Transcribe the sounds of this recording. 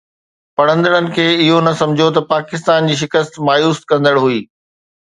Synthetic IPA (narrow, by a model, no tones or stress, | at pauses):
pɐɽ̤ə̃nd̪əɽənɪ̆kʰeːɪɦonɐsɐ̃md͡ʑʱot̪ɐpaːkɪs̬t̪aːnd͡ʑiːʃ̬ɪkəst̪maːjuːskɐ̃nd̪əɽɦuiː